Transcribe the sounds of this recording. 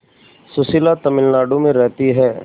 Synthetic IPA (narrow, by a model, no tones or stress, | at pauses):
sʊsɪlat̪ɐmɪlnaːɖõmẽɾɛɦt̪iɦɛː